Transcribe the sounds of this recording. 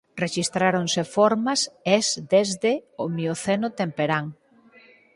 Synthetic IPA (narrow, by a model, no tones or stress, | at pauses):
reʃist̪ɾaɾoŋsefoɾmɐsezd̪ezðeomioθenʊt̪empeɾaŋ